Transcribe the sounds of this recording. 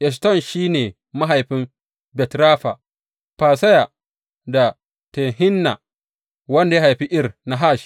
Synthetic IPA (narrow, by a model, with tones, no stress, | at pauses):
ʔɛ˨s̬tɔ˦˨nʃiː˦neː˨ | ma˦ɦa˨jɸɪ˦m | bɛ˨tɾaː˦ɸa˨ | ɸaː˨sɐ˦ja˨ | da˨ | tɛ˨ŋɦɪ˦nːa̰˨ | wɐ˦nda˨ja˦ha˨jɸi˦ʔɪ˦rna˨ɦa˦˨ʃ